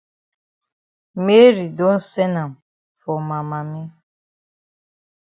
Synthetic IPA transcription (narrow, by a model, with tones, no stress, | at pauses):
me˦ɾi˨do˦n̩˦sɛ˦na˨m | fɔ˨ma˨ma˨me˦